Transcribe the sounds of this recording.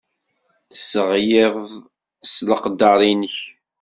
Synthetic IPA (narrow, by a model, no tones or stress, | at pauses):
θəsəʁjɪðˤ | sləqd̪ɑɾˤinəç